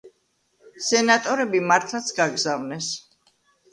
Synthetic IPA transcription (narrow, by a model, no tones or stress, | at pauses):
sɛnat̪ʼɔɾɛbimaɾt̪ʰlˠat̪sʰɡaɡzavnɛs